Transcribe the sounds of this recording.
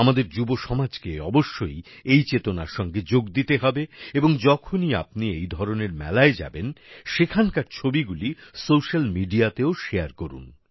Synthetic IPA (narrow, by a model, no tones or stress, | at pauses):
amad̪eɾd͡ʑuboʃɔmad͡ʑkeɔboʃːoj | ejt͡ɕet̪onaɾʃɔŋɡed͡ʑoɡd̪it̪eɦɔbeeboŋd͡ʑɔkʰonia̰p̚niejd̪ʱɔɾoneɾmɛ̰laed͡ʑa̰benʃekʰankaɾt͡ɕʰobiɡulisoʃalmiɖiat̪eoʃeaɾkoɾṵn